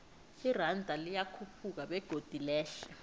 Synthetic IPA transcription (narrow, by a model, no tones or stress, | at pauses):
irandʱalijakʰupʰuk̬aɓɛɡ̥ʱod̥ʱilɛːɬɛ